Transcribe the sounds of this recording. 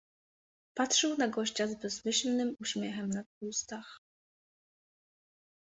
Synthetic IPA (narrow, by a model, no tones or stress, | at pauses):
patʂɛwnaɡɔɕt͡ɕazbɛzmɘɕlnɘmuɕmʲjɛxɛmnat̪ust̪ax